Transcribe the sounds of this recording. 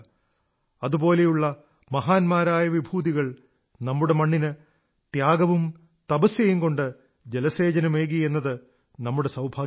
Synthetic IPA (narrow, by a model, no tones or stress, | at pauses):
ɐðubo̞ːle̞juɭːɐ | mɐɦaːnmaːɾaːjɐʋibʱuːðiɣɐɭ | nɐmːuɽe̞mɐɳːinɨ | t̪jaːɡɐʋum | t̪ɐbɐsjɐjuŋɡo̞ɳɖɨ | d͡ʑe̞lɐse̞ːd͡ʑɐnɐme̞ːɣie̞nːɐðɨ | nɐmːuɽe̞sɐwbʱaː